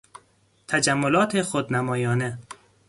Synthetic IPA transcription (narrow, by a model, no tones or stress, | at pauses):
t̪ʰæd͡ʒæmːolɒːt̪ʰexod̪næmɒːjɒːne